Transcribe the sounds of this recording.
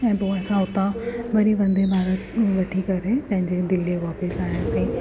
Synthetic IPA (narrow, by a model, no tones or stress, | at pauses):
ɛ̃ːpoːɛːsãɦot̪aʋɐɾiʋɐ̃nd̪ebʱaːɾət̪ʋɐʈʰikɐɾepɐ̃ɦɪ̃ɲd͡ʑed̪ɪleʋaːpəsaːɦeɐsĩː